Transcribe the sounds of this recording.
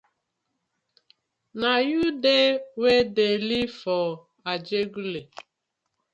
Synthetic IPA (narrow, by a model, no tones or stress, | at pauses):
najudewedelifɔ | ad͡ʒeɡule